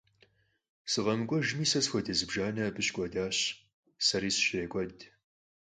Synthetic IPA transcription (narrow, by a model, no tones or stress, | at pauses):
sɨʁɐmɨkʷʼɔʒmiːsɐsxʷɔdɐzɨbʒaːnɐbɨɕkʷʼɔdaːɕ | sɐɾiːsɨ̥ɕeːkʷʼɔd